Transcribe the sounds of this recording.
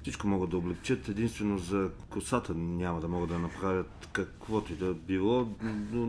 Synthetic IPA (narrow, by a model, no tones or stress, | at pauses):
sit͡ʃkomɔɡəd̪ɐoblɛkt͡ʃət̪ɛd̪inst̪vɛnozɐkʊsat̪ənʲamɐd̪ɐmɔɡəd̪d̪ɐnɐpɾavʲət̪ | kɐkvɔt̪oid̪ɐbilˠɔo